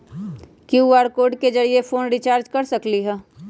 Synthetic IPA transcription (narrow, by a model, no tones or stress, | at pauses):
kjuːaːɾkoːɖked͡ʒɐɾiefʰoːnɾit͡ʃaːɾd͡ʒkɐɾsɐkliɦɛː